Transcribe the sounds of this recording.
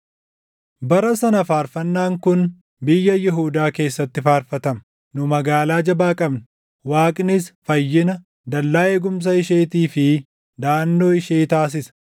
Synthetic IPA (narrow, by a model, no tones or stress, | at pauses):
bɐɾɐsɐnɐfaːɾfɐnːaːŋkʊn | bɪjːɐjɪɦuːd̪aːke̞ːsːɐt̪ːɪfaːɾfɐt̪ɐm | nʊmɐɡaːlaːd͡ʒɐbaːkʼɐbnɐ̥ | waːkʼnɪsfɐjːɪnɐ | d̪ɐlːaːeːɡʊms̬ɐɪʃeːt̪iːfɪ | d̪aːnːo̞ːɪʃeːt̪aːs̬ɪsɐ̥